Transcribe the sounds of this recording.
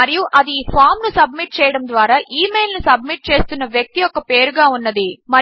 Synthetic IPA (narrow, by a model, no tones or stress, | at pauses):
ɐɾijuʔɐd̪iiːpʰaːɾmnusɐb̚miʈ̚t͡ʃɛːjɐɽɐmd̪ʋaːɾaːʔiːmeːlnusɐb̚miʈ̚t͡ʃe̞ːst̪unːɐʋjɐk̚t̪ijɔkːɐpe̞ːɾuɡaːunːɐd̪imɐ